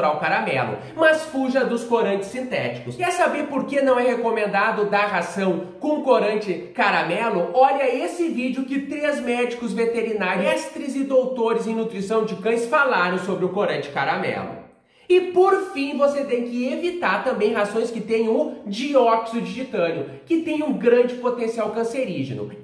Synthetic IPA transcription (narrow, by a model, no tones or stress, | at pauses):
ɾawkaɾamɛ̰lʊ̰ | mɐsfuʒɐd̪ʊskoɾɐ̃nt͡ʃɪ̥sːĩnt̪ɛ̰t͡ʃi̥kʊskɛɾsabeɾpoɾkenɐ̃w̃ɛhekomẽnd̪ad̪ʊd̪aɦasɐ̃w̃kõʊkoɾɐ̃nt͡ʃɪkaɾamɛlʊɔʎɐesɪvid͡ʒʊkɪt̪ɾezmɛd͡ʒikʊzvet̪eɾinaɾst̪ɾizɪd̪owt̪oɾɪzẽj̃nut̪ɾisɐ̃w̃d͡ʒɪkɐ̃j̃sfalaɾɐ̃w̃sobɾɪʊkoɾɐ̃nt͡ʃɪ̥kaɾamɛ̰lʊ̰ | ɪpoɾfĩvoset̪ẽj̃kɪevit̪aɾt̪ɐ̃mbẽj̃ɦazõj̃skɪt̪ẽj̃ʊd͡ʒiɔksid͡ʒiʒit̪ɐ̃ɾjʊ | kɪt̪ẽj̃ũɡɾɐ̃nd͡ʒɪpot̪ẽsiawkɐ̃seɾiʒḛnʊ̰